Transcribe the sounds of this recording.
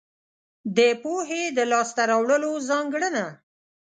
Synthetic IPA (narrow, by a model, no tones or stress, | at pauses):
d̪əpoɦed̪əlɑst̪aɾawɽəlozɑŋɡɽəna